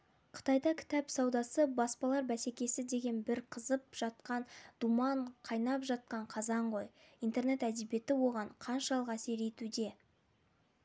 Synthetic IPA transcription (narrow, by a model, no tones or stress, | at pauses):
qʰə̥t̪ɑjd̪ɑkʲʰɪ̥t̪æpsɑwd̪ɑsəbɑspɑlˠɑɾbæse̞kʲe̞sɪd̪e̞ɡʲe̞nbɪɾqʰəzəp̚ʒ̥ɑt̪̚qɑnd̪̥umɑɴqʰɑjnɑpʒɑt̪̚qɑɴqʰɑzɑɴʁo̞jijnt̪e̞ɾne̞t̪æd̪ebje̞t̪ɪwo̞ʁɑɴqʰɑnʃɑlˠəqæse̞ɾe̞t̪ud̪e̞